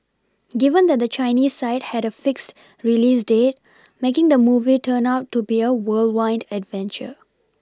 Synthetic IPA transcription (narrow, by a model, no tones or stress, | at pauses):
ɡɪvə̃nd̪ɛt̚d̪ət͡ʃaɪniːssaɪt̚hɛɾəfɪkst | ɹiliːsdeːt̚ | mekɪ̃ŋd̪əmuːvitʰəːnaʊtːubiəwəlwãɪ̃ndɛdvɛ̃nt͡ʃə̰